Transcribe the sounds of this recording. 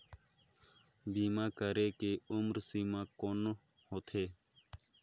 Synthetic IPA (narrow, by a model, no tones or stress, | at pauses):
biːmãːkəɾeːkeːʊmɾsiːmãːkoːnohot̪ʰeː